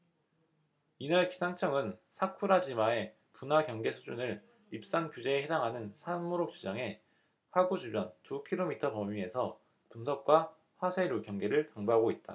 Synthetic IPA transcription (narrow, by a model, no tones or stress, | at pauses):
inaɭki̥sʰaŋt͡ɕʰʌŋɯnsʰakʰuɾad͡ʑimae̞ | punakjʌŋɡe̞sʰud͡ʑunɯɭ | ip̚s͈ankjud͡ʑe̞ːɦe̞daŋɦanɯnsʰanmoɾok̚t͡ɕ͈ud͡ʑaŋe̞ | haɡud͡ʑʰibjʌntukʰiɾomitʰʌpʌmie̞sʰʌ | punsʰʌk̚k͈wa | ɸwasʰe̞ɾokjʌŋɡe̞ɾɯɭkaŋbaɦaɡoit̚t͈a̰